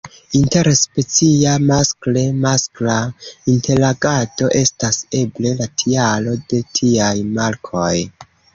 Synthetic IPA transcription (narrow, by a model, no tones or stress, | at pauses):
inte̞ɾspe̞t͡siamaskle̞masklainte̞ɾaɡado̞ʔe̞stase̞ble̞latʰialo̞de̞tʰiajmaɾkʰo̞j